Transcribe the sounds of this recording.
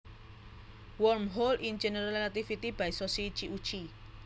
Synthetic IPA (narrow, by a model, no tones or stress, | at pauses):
wɔrmɦolʔind͡ʒenəɾalelat̪ifit̪ib̥aisosit͡ʃiʔu̥t͡ʃi